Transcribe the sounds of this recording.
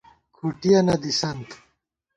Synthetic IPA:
kʰuʈijɐnɐd̪isɐnt̪ʰ

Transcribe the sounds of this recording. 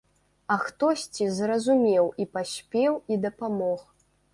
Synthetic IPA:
ɐxt̪ɔsʲt͡sʲizrɐzumʲɛwipasʲpʲɛwid̪ɐpamɔx

